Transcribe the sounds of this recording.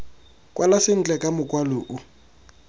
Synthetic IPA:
kʼwalasɪn̩t͡ɬʼɛkʼamʊkʼwalʊʔu

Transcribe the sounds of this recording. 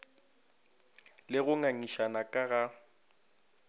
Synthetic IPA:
lɪɣʊŋaŋiʃanakʼaɣa

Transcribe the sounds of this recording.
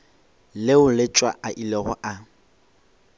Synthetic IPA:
lɪʊlɪt͡ʃʼwa̰ʔaʔilɛɣɔ̰ʔa

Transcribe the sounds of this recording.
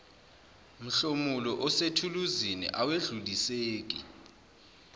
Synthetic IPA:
m̩ɬomulɔʔɔsetʰuluzinḭʔaweɮuliseːk̬ʼi

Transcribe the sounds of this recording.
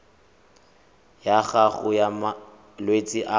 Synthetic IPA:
jaɣaɣʊjama | lwet͡sʼɪʔa

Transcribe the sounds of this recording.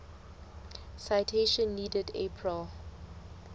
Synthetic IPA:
saɪtʰeʃə̃nːiːdədḛpʰɹəl

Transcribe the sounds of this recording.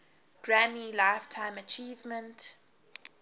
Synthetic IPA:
ɡ̥ɹamilaɪftʰãɪ̃mət͡ʃʰiːvmə̃nt

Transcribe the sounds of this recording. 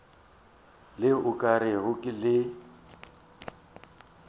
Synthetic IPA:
lɪʊkʼaɾɪɣʊkʼɪlɪ

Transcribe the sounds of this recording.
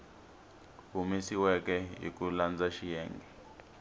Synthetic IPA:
umisiwɛk̬ʼɛjḭk̬uland͡zaʃijɛːŋɡʱɛ

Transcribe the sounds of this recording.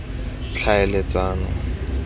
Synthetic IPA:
t͡ɬʰaɛlet͡sʼaːnɔ

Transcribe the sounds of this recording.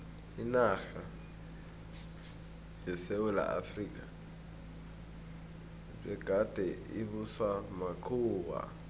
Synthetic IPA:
inaxa | jɛsewɛla̰ʔa̰frikʼa | b͡ʐɛɡ̥ʼʱad̥ʼʱɛiβuswamakʰuːwa̰

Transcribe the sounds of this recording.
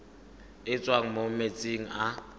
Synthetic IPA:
ɪt͡sʼwaŋ̩momet͡sʼeŋ̩a

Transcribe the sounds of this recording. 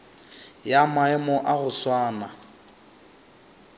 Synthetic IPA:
jamaɛmɔʔaɣʊswaːna

